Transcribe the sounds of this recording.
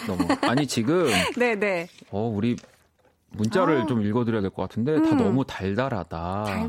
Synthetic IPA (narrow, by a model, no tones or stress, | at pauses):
nʌmuaɲit͡ɕiɡɯmne̞ne̞ʌuɾi | munt͡ɕ͈aɾɯɭt͡ɕomiɭɡʌdɯɾjadwek͈ʌk͈atʰɯnde̞tanʌmutaɭdaɾa̰d̥a